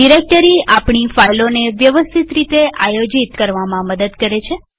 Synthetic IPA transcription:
ɖiɾek̚ʈəɾiapɳ̃ifajloneʋjəʋəst̪ʰit̪ɾit̪eʔajod͡ʒit̪kəɾʋamãməd̪əd̪kəɾet͡ʃʰe

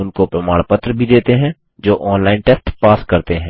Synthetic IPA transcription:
ʊnkopɾɐmaːɽ̃pət̪ɾəbʱid̪eːt̪eɦɛ̃ː | d͡ʒoːʔɔːnlaːɪnʈɛsʈpaːskɐɾt̪eɦɛ̃ː

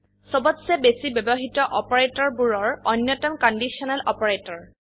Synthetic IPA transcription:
sɔbɔtsɛbesibɔbɔɦitɔʔɔpɔɹetɔɹbuɹɔɹɔnjɔtɔmkɔndisiɔnalɔpɔɹetɔɹ

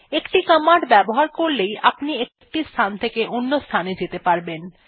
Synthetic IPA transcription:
ekʈikəmaɖbɛboɦaɾkoɾlejʔapniekk̚ʈist̪ʰant̪ʰekeʔonːost̪ʰaned͡ʑet̪epaɾben

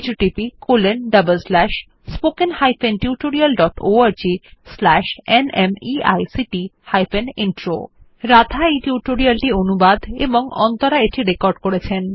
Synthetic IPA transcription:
d͡ʑuʈipikolenɖəbəlslɛʃ | spokenhajfʰenʈiuʈoɾialɖɔʈoaɾd͡ʑislɛʃenemia̰jsiʈihajfenenʈɾo̰ | ɾad̪ʱaejʈiuʈoɾialʈionubad̪ḛboŋɔ̰nt̪oɾaeʈiɾekɔɾɖkoɾet͡ɕʰen

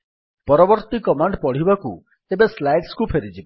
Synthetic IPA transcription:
pɔɾɔbɔɾt̪ikɔmaɳɖpɔɽ̤ibakṵ | ebeslajɖskupʰeɾid͡ʒibɔ

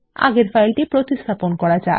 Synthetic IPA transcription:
a̰ɡeɾfʰajlʈipɾot̪ist̪ʰaponkɔɾad͡ʑae

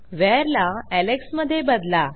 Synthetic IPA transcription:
ʋɛɾlaæleksməd̪ʱːjebəd̪la

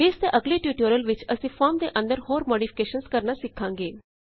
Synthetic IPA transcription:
eːst̪eʔəɡliʈjuːʈoːɾəlʋɪt͡ʃəsĩfɔːɾmd̪eʔə̃nd̪əɾhoːɾmoːɽifʰɪ̥keːʃənskəɾnasɪkʰːãːŋɡeː

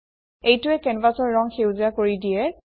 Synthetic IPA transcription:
ejtʊɛkɛnpasɔɹːɔŋxewziakoɹidijɛ

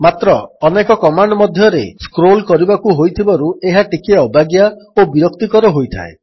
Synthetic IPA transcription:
mat̪ɾɔːnekɔkɔmaɳɖɔmɔd̪ʱjɔɾeskɾolkɔɾibakuɦojt̪ʰibaɾueɦaʈikeɔbaɡjaobiɾɔkt̪ikɔɾɔɦojt̪ʰa̰e

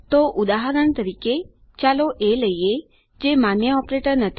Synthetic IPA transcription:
t̪oʔud̪aɦəɾəɳt̪əɾike | t͡ʃaloʔeləje | d͡ʒemanjəɔpɾeʈəɾnət̪ʰ

